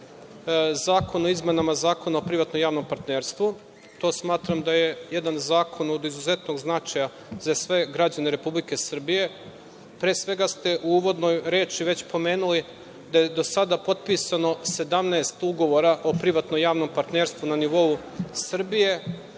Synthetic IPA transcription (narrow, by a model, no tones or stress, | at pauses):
zaːko̞no̞izme̞namazaːko̞naopɾiʋat̪nomjaːʋno̞mpaɾt̪neːɾst̪ʋu | t̪o̞ːsmaːt̪ɾamd̪aje̞je̞d̪anzaːkʰo̞nod̪izuze̞t̪no̞ɡznat͡ʃaja | zasʋe̞ɡɾad͡ʑaneɾe̞publike̞sr̩bije̞ | pɾeːsʋe̞ɡast̪e̞ʔuuːʋo̞d̪nojɾe̞ːt͡ʃiʋe̞t͡ɕpo̞me̞ːnuli | d̪aje̞d̪o̞sad̪apo̞t̪̚pisano̞se̞d̪amneest̪uɡo̞ʋo̞ɾaʔo̞pɾiʋat̪nojaːʋno̞mpaɾt̪ne̞ːɾst̪ʋunaniʋo̞u | sr̩bije̞